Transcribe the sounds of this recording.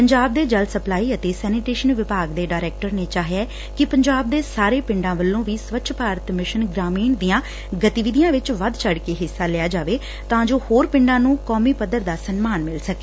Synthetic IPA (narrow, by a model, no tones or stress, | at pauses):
pəɲd͡ʒaːbd̪eːd͡ʒəlsəplaːiːət̪eːsɛːnɪʈeːʃənʋɪpaːɡd̪eːɖaːɾɛːk̚ʈəɾneːt͡ʃaːɦjɛː | kɪpəɲd͡ʒaːb̚d̪eːsaːɾeːpɪ̃ɳɖãːʋəlːõːʋiːsʋət̪ːʃʰpaːɾət̪mɪʃənɡɾaːmiːnd̪ijãː | ɡət̪iʋɪd̪ijãːʋɪt͡ʃʋəd̪t͡ʃʰəɽkeːɦɪsːaːlɪjaːd͡ʒaːʋeː | t̪ãːd͡ʒoːhoːɾpɪ̃ɳɖãːnũːkɔːmiːpəd̪əɾd̪aːsənmaːnmɪlsəke̥ː